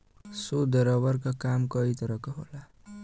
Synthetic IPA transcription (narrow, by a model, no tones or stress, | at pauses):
sod̪ʌɾʌβʌrkakamkʌit̪ʌɾʌkoɦo̰la